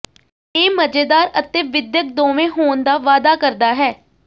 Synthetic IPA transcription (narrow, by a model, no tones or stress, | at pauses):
eːməd͡ʒeːd̪aːɾət̪eːʋɪd̪jək̚d̪ɔ̃ːʋẽːɦoːnd̪aːʋaːd̪aːkəɾd̪aːɦɛː